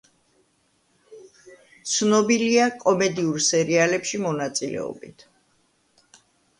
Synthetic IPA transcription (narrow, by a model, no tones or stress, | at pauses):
t̪sʰnɔbiliakʼɔmɛd̪iuɾsɛɾialɛpʃimɔnat̪sʼilɛ̰ɔ̰bit̪ʰ